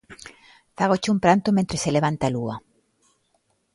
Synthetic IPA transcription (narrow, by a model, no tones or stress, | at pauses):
faɣot͡ʃumpɾant̪omẽnt̪ɾeseleβ̞ant̪alua